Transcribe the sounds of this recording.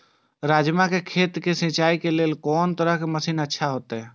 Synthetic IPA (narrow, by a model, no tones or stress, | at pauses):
ɾaːd͡ʒmãkekʰeːt̪kesɪ̃ːt͡ʃaːikeleːlkɔːnt̪əɾəɦkeməsiːnətːʃʰaɦoːt̪eɦɛ̃ː